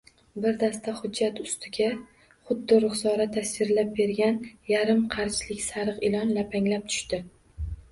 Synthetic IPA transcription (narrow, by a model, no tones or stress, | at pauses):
bɪɾd̪ast̪aχʊd͡ʒːat̪ʊst̪ʰɪɡʲa | χʊd̪ːɪɾʊχsɒɾat̪ʰːasɪɾlap̚be̞ɾɡʲanjaɾɪmqʰɑɾt͡ʃlɪkʲsaɾɨqɪlɒnlapʰaŋlap̚t̪ʰʊ̥ʃt̪ɪ